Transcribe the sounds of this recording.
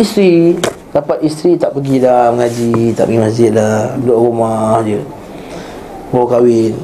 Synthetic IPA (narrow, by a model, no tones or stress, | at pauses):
ist̪ɾi | dapat̪̚ist̪ɾit̪aʔpəɡidahməŋad͡ʒit̪a̰ʔpəɡimasd͡ʒɪt̪̚lahdɔʔɾumahd͡ʒə | bakawɪn